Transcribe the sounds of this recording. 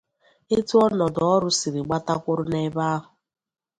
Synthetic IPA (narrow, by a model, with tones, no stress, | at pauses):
e˦tu˦ɔ˦nɔ˨dɔ˦ɾʊ˦si˨ɾi˨ɡ͡ba˦ta˦kʷʊ˦ɾʊ˦ne˨e˦ba˦a˦ɦʊ˨